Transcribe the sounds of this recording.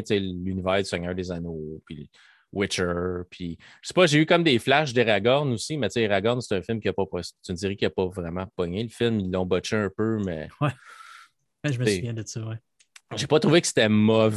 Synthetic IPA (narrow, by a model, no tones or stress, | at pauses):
t͡selynivæːʁd̪y̥sɛɲœːɹd̪ezanopi | wʔɪt͡ʃə˞pʰi | ʒəse̥pʌʒeykʌmd̪eflaʃ̬d̪əʁaɡɔʁnusimɛt͡seʁaɡɔnse̥t̪ɛ̃fɪlmkʲiɐpɔpʁɔst͡s̪ynsiʁɛkʲjapɔvʁɛmɑ̃pɔɲeləfɪlmilːɔ̃bɔt͡ʃeɛ̃pømɛ̰wɛ | bɛʒəməssvjɛ̃d̪əsɔwɛ | ʒepɔt̪ʁuvekə̥se̥t̪ɛmɔv